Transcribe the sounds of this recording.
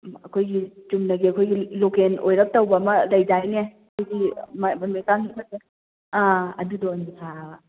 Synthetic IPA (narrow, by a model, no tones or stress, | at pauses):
ɐkʰojɡit͡ʃumnɐɡiɐkʰojɡilokenojɾɐp̚tɐwbɐːmɐlɐjd͡ʒajneɐkʰojɡimmɐmekaŋimɐse | aɐdudɔnsʰa